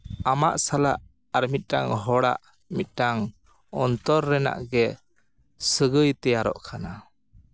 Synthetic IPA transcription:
amaʔsalaʔ | aɾmit̪̚ˀʈaŋɦɔɽa̰ʔ | mit̪̚ˀʈaŋ | ɔnt̪ɔɾːɛna̰ʔɡɛ | səɡəjt̪ɛjaɾɔ̰ʔkʰana

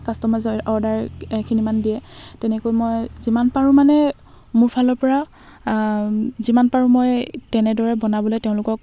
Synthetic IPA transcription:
kastɔmazɔɔɹdaɹkʰinimandijɛtɛnɛkojmojzimanpaɹũmanɛ | mʊɹpʰalɔɹpɔɹa | zimanpaɹũmɔjtɛnɛdɔɹɛbɔnabɔlojtɛʊ̃lʊkɔk̚

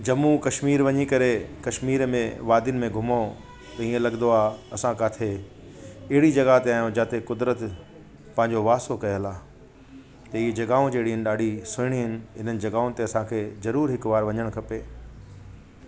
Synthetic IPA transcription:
d͡ʑɐmukɐʃmiːɾʋɐɲikɐɾekɐʃmiːɾmẽʋaːd̪iʊnɪ̆mẽɡʱʊmo | t̪ɐĩːẽlɐɡnd̪oaːɐsãkaːt̪ʰe | ɐɦɪɽid͡ʑɐɡat̪eaːjõd͡ʑaːt̪ʰekʊd̪ɾət̪ | pɐ̃ɦɪ̃ɲd͡ʑoʋaːsokɐjəlaː | t̪ɐiːd͡ʑɐɡaːõd͡ʑeːɽiənɪ̆ɗaːɖʱisʊɪɽ̃iɦɪnɪ̆ɪn̤ənɪ̆d͡ʑɐɡaːʊ̃nɪ̆t̪eɐsãkʰeːzɐɾuːɾɦɪkʋaːɾʋɐɲəɽ̃kʰɐpeː

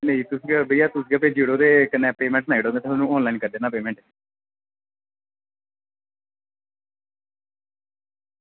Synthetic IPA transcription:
neĩːt̪ʊsɡabəiːaːt̪ʊs̬ɡaːpeːd͡ʒiɽõːd̪eːkənːɛ̃ːpeːmɛ̃ːɳʈnaːiɽõːd̪eːt̪ʰːnũːɔːnlaːinkəɾd̪eːnãːpeːmɛ̃ːɳʈ

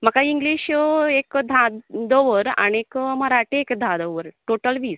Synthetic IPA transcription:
məkaiŋɡliːɕekd̪ʱãd̪əʋəɾa̰niekməɾaʈiekd̪ʱãd̪əʋəɾʈoʈəlʋiːs

